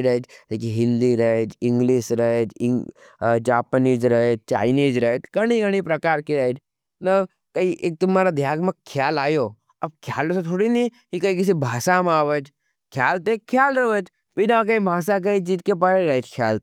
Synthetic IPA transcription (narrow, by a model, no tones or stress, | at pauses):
ɾət͡ʃlekiɦɪ̃nd̪iɾəed͡ʒɪ̃ŋɡliːʃɾɐt͡ʃɪŋ | d͡ʒaːpəniːd͡ʒɾɐet̪̚t͡ʃa̰ːɪniːd͡ʒɾət̪ɡɐɽ̃iɡɐɽ̃ipɾɐkaːɾkiɾɐʈ | nɐ | kɐiʔeːk̚t̪ʊmaːɾad̪ʱjaːɡmɐkkʰːjaːlaːjoː | ɐb̚kʰjaːlɾəsot̪ʰoːɽini | kikɐĩkɪs̬ibʱaːsamaːʋət͡ʃ | kʰjaːlt̪eːkʰːjaːlɾɐʋət͡ʃ | ʋinak̬əĩbʱaːsak̬ɐĩd͡ʒit̪̚kep̬aɾeɾət͡ʃkʰjaːl